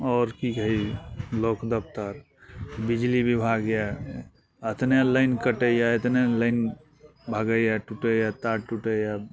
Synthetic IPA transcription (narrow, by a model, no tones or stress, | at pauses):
ɔːɾkikɦəilokd̪əpt̪əɾ | bid͡ʒlibʱibʱaɡja | ət̪njaləɪnkəʈəjaet̪neləɪn | bʱaɡəjaʈuʈəjat̪aʈuʈəja